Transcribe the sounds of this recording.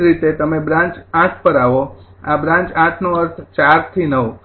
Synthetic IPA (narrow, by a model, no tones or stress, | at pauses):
ɾit̪et̪əmebɾãɲt͡ʃãʈʰpəɾaʋoabɾãɲt͡ʃãʈʰnoəɾt̪ʰt͡ʃaɾt̪ʰinəʋ